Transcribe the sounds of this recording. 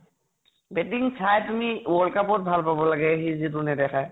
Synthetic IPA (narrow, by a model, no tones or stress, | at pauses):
bɛtiŋsʰajtumiwɔlkapɔt̚bʱalpabɔlaɡɛɦizit̬ʊnɛdɛxʰaj